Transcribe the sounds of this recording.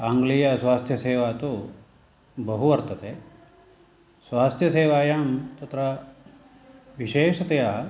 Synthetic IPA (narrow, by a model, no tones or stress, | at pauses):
aːŋɡlijɐsʋaːst̪ʰjɐseːʋaːt̪u | bɐɦuʋɐɾt̪ɐt̪eː | sʋaːst̪ʰjɐseːʋaːjaːmt̪ɐt̪ɾɐ | ʋiʃeːʂɐt̪ejaː